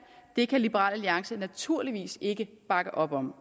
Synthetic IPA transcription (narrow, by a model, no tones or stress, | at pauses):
d̥e̝kʰælib̥əʁɑ̰̈ːl̰æliɑ̈ŋsənæt͡sʰuɐ̰liʋḭːse̝ɡ̥ə | b̥ɑ̈ɡ̥əʔɒ̽b̥ɒ̽m̰